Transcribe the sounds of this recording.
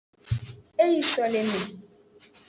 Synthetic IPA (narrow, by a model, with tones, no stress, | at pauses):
e˦ji˦sɔ˨le˨me˨